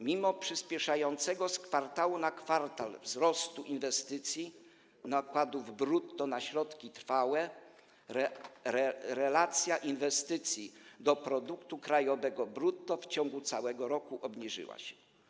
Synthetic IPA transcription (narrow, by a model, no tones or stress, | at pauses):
mʲimɔpʂɘspʲjɛʂajɔnt̪sɛɡɔskfaɾt̪awunakfaɾt̪alvzɾɔst̪uʔinvɛst̪ɘt̪sʲji | nakwad̪uvbɾut̪ːɔnaɕɾɔt̪kʲit̪ɾfawɛ | ɾɛɾɛlat̪sʲjaʔinvɛst̪ɘt̪sʲjid̪ɔpɾɔd̪ukt̪ukɾajɔvɛɡɔbɾut̪ːɔft͡ɕɔŋɡut̪sawɛɡɔɾɔkuʔɔbɲiʐɘ̰wa̰ɕɛ̥